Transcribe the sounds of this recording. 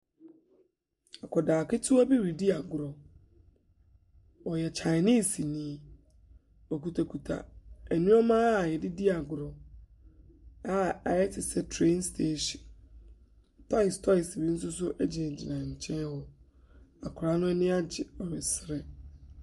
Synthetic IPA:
a˨kʰɔ˨daː˨kɪ˦tʰʊ˦a˦bi˦ɾi˨di˦a˨ɡʊ˨ɾɔ˨ | wɔ˨jɛ˨t͡ɕʰa˨ɪ˨ni˦˨si˨nĩ˦˨˦ | ɔ˨ku˨tʰa˨kʰu˨tʰa̰˨ɛ˨nĩ˦ɔ˦mã˦˨jɛ˨dɪ˦di˦a˨ɡʊ˨ɾɔ˨ | a˦a˨jɛ˦tʰɪ˨sɛ˦tʰɾe˦nstʰe˦˨ʃ | tʰa˦ɪ˨stʰɔ˦ɪ˨si˨bi˦n̩˦sʊ˦sʊ˦ʔɛ˦d͡ʑɪ˨d͡ʑi˨nã˨ɲ̩˨t͡ɕʰɛ̃˦n˦hɔ˦ | a˨kʰʊ˨ɾa˨˦nʊ̃˦ɛ˦nɪ̃˦a˦d͡ʑɪ˨ɔ˨ɾɪ˨sɪ˨ɾɛ˦

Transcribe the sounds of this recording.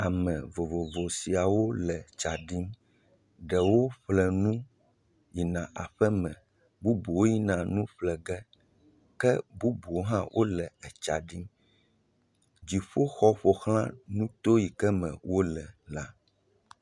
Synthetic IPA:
a˨mɛ̃˨vo˨vo˨vo˨si˨a˨wo˦lɛ˨t͡ʃa˨ɖi˦m | ɖɛ˨wo˦ɸlɛ˨nũ˦ | ji˨nã˨ʔa̰˨ɸɛ˦mɛ̃˨ | bu˦bu˨wo˦ji˦nã˨nũ˦ɸlɛ˨ɡɛ˦ | kɛ˦bu˦bu˨wo˦ɦã˦wʔo˦lɛ˨ɛ˨t͡ʃa˨ɖi˦m | d͡ʑi˨ɸo˦xɔ˦ɸo˨xl̃ã̰˦nũ˦t̪o˦ji˨kɛ˦mɛ̰̃˨wo˦lɛ˨la˦

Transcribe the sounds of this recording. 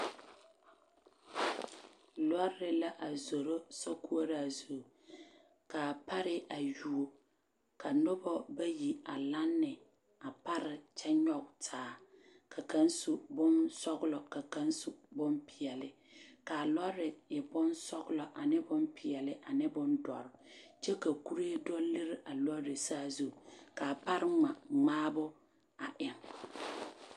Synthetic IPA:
lɔ˦ɾɪ˨la˦ʔa˨zo˨ɾo˦sɔ˦ku˦o˦ɾɪ˦a˨zo˨ | ka˨pʰa˦ɾɪ˦ʔa˨ju˨o˨ | kʰa˨nʊ˦bɔ˦ba˦ji˨a˨la˦nːɪ˨ | a˨pa˦ɾɪ˨t͡ʃɛ˦ɲɔ˦ktʰaː˨ | kʰa˨ka˦nsu˨bʊ̃˦nsɔ˦ɡʊ˦lɔ˨ka˨kã˦n˦su˨bʊ̃˦npɪ˨ɛ˨lɪ˦ | ka˨lɔ˦ɾɪ˨jɪ˨bʊ˦nsɔ˦ɡʊ˦lɔ˨ʔa˨nɪ˦bʊ˦mpʰɪ˨jɛ˨lɪ˦ʔa˨nɪ˦bʊ̃˦ndɔ̰˨ɾɪ˨t͡ʃɛ˦ka˨ku˦ɾi˦e˦dɔ˦le˦ɾɪ˦ʔa˨lɔ˦ɾɪ˨saː˦zu˦ka˨pa˦ɾɪ˦ŋ͡ma˨ŋ͡maː˦bʊ˦ | a˨ʔɪ˨ŋ

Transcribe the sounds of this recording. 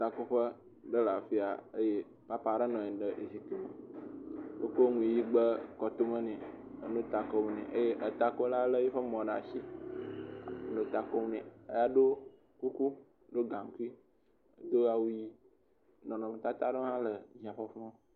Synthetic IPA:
t̪a˨ko˦ɸə˦ | ɖə˦la˨fi˦a̰˨ə˦je˦ | pa˦pa˦˨ɖə˦nɔ̃˨e˨ɖə˦˨ʔe˨si˨k̪i˦mə˨ | wo̰˦ko˦ŋũ˨i˨ji˦ɡ͡bə˦kɔ˨t̪o˦mə̃˦nɛ̃˨ | ə˨nõ˦t̪a˨ko˦mũ˨nḛ̃˨ʔə˦je˦ʔə˨t̪a˦ko˦la˦lə˦je˦ɸə˦mɔ̃˨ɖa˨ʃi˦˨ | no˦t̪a˨ko˦m˦nɛ̃˨ə˦ja˦ɖo˦ | ku˦ku˦ | ɖo˦ɡã˨ŋ˦ku˦i˦ | ə˨d̪o˦a˨wu˦ji˦ | nɔ̃˨nɔ̃˨me˨t̪a˦t̪a˦ɖo˦ɦã˦lə˨ɲi˨a˨ɸɔ˦fɔ̃˦

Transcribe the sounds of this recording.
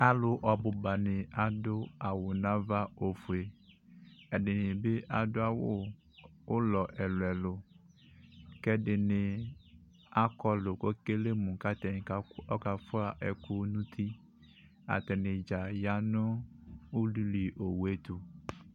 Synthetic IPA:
a˦lʊ˨ʔɔ˨bʊ˨ba˨nɪ̃˨a˨dʊ˦a˨wʊ˨nã˦va˦o˨fu˨e˨ | ɛ˨dɪ˨nɪ̃˨be˦ʔa˨dʊ˦a˦˨wʊ˦ | ʊ˦lɔ˨ʔɛ˨lʊ˨ɛ˨lʊ˨ | kɛ˦dɪ˨nɪ̃˨ | a˦kɔ˦lʊ˨ko˦ke˦le˦mʊ̃˨ka˦t̪ɛ˨ŋ˨ka˨˦ɔ˦ka˨fʊ˦a˨ʔɛ˨kʊ˦nũ˦t̪ʰi˦ | a̰˨t̪ɛ˨nɪ̃˨d͡ʒa˨ja˦nʊ̃˦u˦lu˦li˨ʔo˨we˦t̪ʊ˨

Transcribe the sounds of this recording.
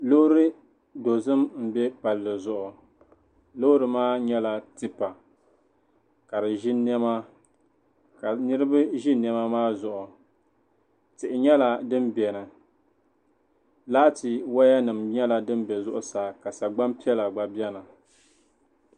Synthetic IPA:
lo˦ɾɨ˦ | do˨zɨ˦mm̩˨bɛ˦pa˨lːɨ˨zʊ˨ʔʊ˨ | lo˦ɾɨ˨maː˦ɲɛ˦la˦tɨ˦pa˨ | ka˨ɾɨ˨ʒɪ˦n˦ɛ˦ma˦ | ka˨nɨ˦ɾɨ˦bɨ˦ʒɪ˦n˨ɛ˦ma˦maː˦zʊ˨ʔʊ˨ | tɪ˨ʔɪ˨ɲɛ˦la˨dɨ˦mbɛ˨nɨ˨ | laː˦tɪ˨wa˦ja˦nɨ˨mɲɛ˦la˨dɨ˦m˦bɛ˨zʊ˦ʔʊ˨saː˨ka˨sa˨ɡ͡ba˦mpi˦ɛ˦la˨ɡ͡ba˨bjɛ˦na˨

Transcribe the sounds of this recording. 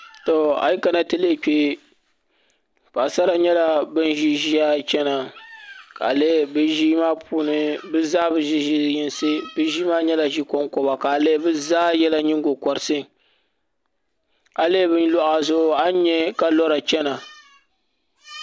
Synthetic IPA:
tɔ˨a̰˨ji˦ka˨na˦tɨ˦le˦˨k͡pe˦ | pa˨sa˦ɾa˦ɲɛ˦la˦bɨ˦n˦ʒi˦ʒi˦a˦t͡ʃɛ˦na˨ | ka̰˨le˦bɨ˦ʒiː˦maː˦pʰuː˦nɨ˦bɨ˦za˦bɨ˨ʒi˦ʒi˦ji˦nsɨ˦bɨ˦ʒi˦maː˦ɲɛ˦la˨ʒi˦kɔ˦ŋkɔ˨ba˨ka˨le˦bɨ˦zaː˦jɛ˦la˦ɲɪ˦ŋ˦ɡo˨kɔ˨ɾɨ˨˦sɨ˦˨ | a˨le˦bɨ˦n˦lɔ˦ʔa˨zʊ˦ʔʊ˦a˦ɲɛ˦ka˦lɔ˦ɾa˨t͡ʃɛ˦na˨

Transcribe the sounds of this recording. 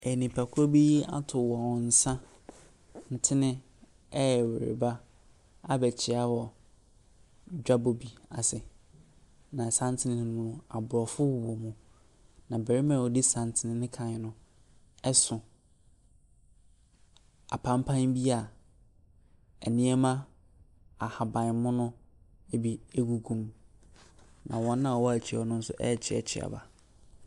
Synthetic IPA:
ɛ˨nĩ˨pʰa˨kʰʊ˦ɾo˦bi˦a̰˦tʰʊ˨wɔ̃˨n̩˨sã˦ | n̩˨tʰɪ˦nɪ̃˦ | ɛ˦˨wḛ˨ɾɪ̰˨ba˦ | a˦bɛ˨t͡ɕʰɪ˨a˦wɔ˨ | d͡ʑᶣa˦bo˨bi˨a˨sɪ˨ | nã˨sã˦n˦tʰɪ˦nɪ̃˦nɪ̃˦mũ˦nʊ̃˦a˨bʊ˨ɔ˨fʊ˦wwɔ˨mũ˨ | nã˨bæ˨ɾɪ˦mã˨ɔ˨di˦sã˨n˨tʰɪ˨nɪ̃˦nɪ̃˦kʰã˨ɪ˨nʊ̃˦ | ɛ˦sʊ̃˨ | a˨pʰã˦m˦pʰã˦n˦bi˦a˨ | ɛ˨nĩ˦ɛ˦mã˦ | a˨ha˨bã˨n˨˦mʊ̃˦nʊ̃˦ | e˦bi˦e˦ɡu˨ɡũ˨m | nã˨wɔ̃˦nː˦ã˦˨wɔ˦æ˨t͡ɕʰi˨ɔ˦nʊ̃˦n̩˦sʊ̰˦ʔɛ̰˦˨t͡ɕʰɪ˦ɛ̰˨t͡ɕʰɪ̰˦a̰˨ba̰˨

